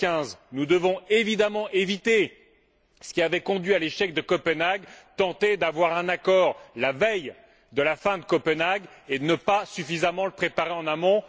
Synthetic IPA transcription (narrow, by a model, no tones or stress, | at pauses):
kɛ̃znud̪əvɔ̃evid̪amɑ̃ʔevit̪e | sə̥kʲiavɛkɔ̃d̪ɥialeʃɛk̚d̪əkɔpənaɡt̪ɑ̃t̪ed̪avwaʁɛ̃nakɔʁlavɛj | d̪əlafɛ̃d̪əkɔpənaɡed̪ənəpasyfizamɑ̃ləpχepaʁeɑ̃namɔ̃